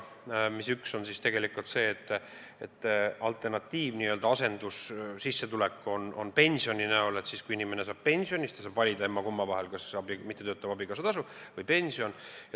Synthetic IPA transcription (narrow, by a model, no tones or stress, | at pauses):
misykso̞nsist̪e̞ɡe̞likˑult̪se̞ːt̪ːˑ | et̪ːˑɑlt̪ˑernɑt̪ːiːvniːø̞ld̪ɑɑse̞nd̪̥ussisːet̪ule̞kːˑo̞nonpe̞nʲsio̞nʲinæole̞t̪siskuinime̞ne̞s̬ɑːb̥̚pe̞nʲsio̞nist̪esɑːbvɑlʲid̪̥ɑe̞mːɑkumːɑvɑɦelkɑsɑbimit̪ːeøːt̪ːˑɑb̥ɑbikɑs̬ɑt̪ɑsuvɤjpe̞nʲsio̞njɑ